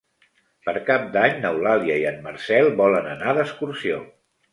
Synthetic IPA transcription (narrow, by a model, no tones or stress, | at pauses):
pəɾkap̚d̪aɲnəwlaliəiənməɾrsɛlˠbɔlənənaðəskuɾsio